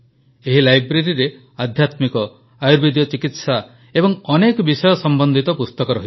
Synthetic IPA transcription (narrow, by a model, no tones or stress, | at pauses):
eɦilajbɾeɾiɾe | ad̪ʱjat̪mikɔ | ajuɾbid̪ijɔt͡ʃikit̪sa | ebɔŋɔnekɔbisɔjɔsɔmbɔnd̪ʱit̪ɔpust̪ɔkɔɾɔɦi